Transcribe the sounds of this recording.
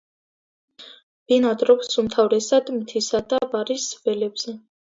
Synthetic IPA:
b̥inad̪ɾɔksumt̪ʰavɾɛsad̪mt̪ʰisad̪abaɾisvɛlɛbz̥ɛ

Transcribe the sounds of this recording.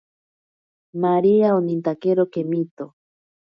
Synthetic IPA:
maɾiaonint̪akeɾokemit̪o

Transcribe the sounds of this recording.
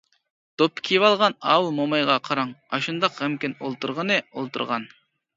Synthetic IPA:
d̪̥opʰːkʲʰivɑlˠʁɑnɑ̰wlˠmomɑjʁɑqʰɑɾɑŋɑʃund̪ɑqɛmkʲɪnolˠt̪uɾʁənɨolˠt̪ṵɾʁɑn

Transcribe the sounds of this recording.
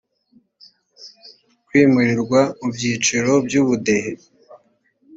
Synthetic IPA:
kwiːmuɾiɾɡwaubjiːt͡ʃiɾo̞bjuβude̞he

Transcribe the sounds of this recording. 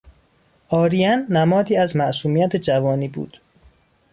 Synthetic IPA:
ʔɒːɾijænːæmɒːd̪iːæzmæʔsuːmijæt̪ʰed͡ʒævɒːniːbṵːd̪̥

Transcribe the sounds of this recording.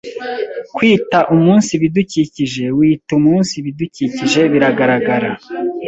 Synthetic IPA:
kwiːtaʔumuːnsiβiduciciʒe̞wiːtumuːnsiβiduciciʒe̞βiɾaɡaɾaɡaɾa

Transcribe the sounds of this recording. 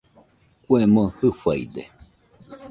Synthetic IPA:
kʷemõhɨfaḭd̪e

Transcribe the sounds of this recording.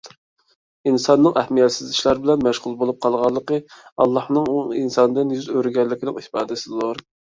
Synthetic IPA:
insɑnːɨŋʔɛhmijɛt̪sɪzɪʃlˠɑɾbɪlɛnmæʃʁʊlˠbolˠup̚qʰɑlˠʁɑlˠːəqəɑ̰lˠːɑhnɨŋuinsɑnɨd̪ɨnjyzøɾɡʲɛlːɪkʲʰɪnɪŋipɑːd̪ɨsɪd̪olˠɑɾ

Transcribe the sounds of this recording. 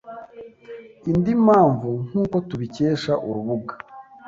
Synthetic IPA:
indimaːɱvuŋ̥uːko̞tuβiceːʃaʔuɾuβuɡa

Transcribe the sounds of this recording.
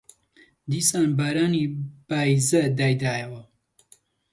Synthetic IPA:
d̪iːsaːnbaɾaːnib̥aːjzɐd̪aːjd̪aːjɐwɐ

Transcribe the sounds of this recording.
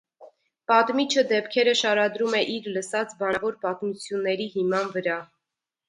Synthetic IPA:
pɑt̪mit͡ʃʰəd̪ɛp̚kʰɛɾəʃɑɾɑd̪ɾumɛʔiɾləsɑt͡sbɑvɔɾpɑt̪mut͡sʰjunːɛɾihimɑnvəɾɑ

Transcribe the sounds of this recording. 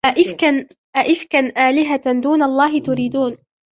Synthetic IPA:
ʔaʔɪkan | ʔaʔɪfkanʔaːlɪɦad̪uːnaɑlˤːɑːɦɪt̪ʊɾiːd̪uːn

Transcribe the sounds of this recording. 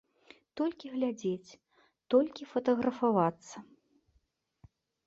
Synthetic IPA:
t̪ɔlʲkʲiɣlʲad͡zʲet͡sʲ | t̪ɔlʲkʲifɐt̪ɐɣɾɐfavat̪sːɐ

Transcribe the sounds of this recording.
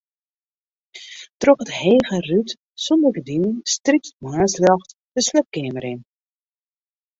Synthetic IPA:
trɔkətheːɣəryt | sɔndərɡədinənstripsmaːsljɔxt | d̥əslɛp̚kɪːməɾɪn

